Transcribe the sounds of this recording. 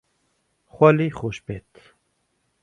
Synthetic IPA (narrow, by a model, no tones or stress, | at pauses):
xʷɛliːxoːʃpeːt̪